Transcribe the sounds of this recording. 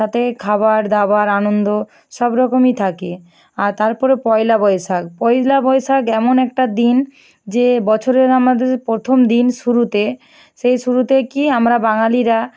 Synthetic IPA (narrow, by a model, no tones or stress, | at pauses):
at̪ʰekʰaβaɾd̪abaɾanond̪o | ʃɔbɾɔkomit̪ʰake | aɾt̪aɾpɔɾepɔjlabɔjʃak̚pɔjlabɔjʃakɛmonɛk̚ʈad̪in | d͡ʑebɔt͡ɕʰoɾeɾamad̪eɾpɾot̪ʰomd̪inʃuɾut̪e | ʃejʃuɾut̪ekiamɾabaŋaliɾa